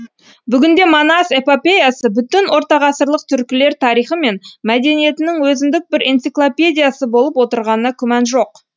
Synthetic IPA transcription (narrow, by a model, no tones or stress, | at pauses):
bʏɡʲɪnd̪e̞monase̞popʲe̞jasəbʏt̪ɪnwo̞ɾt̪ɑʁɑsəɾlˠəq̚t̪ʰʏɾkʲɪle̞ɾt̪ʰɑɾijχəme̞nmæd̪e̞nije̞t̪ɪnɪŋwɵzɪnd̪ɪk̚bɪɾent̪siklˠopʲe̞d̪ʲijasəbo̞lˠəpwo̞t̪əɾʁɑnənɑkʲʰʏmɑnʒo̞q